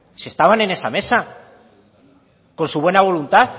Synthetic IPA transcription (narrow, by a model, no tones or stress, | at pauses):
sest̪aβane̞nesame̞sa | ko̞nsuβ̞we̞naβ̞o̞lunt̪aθ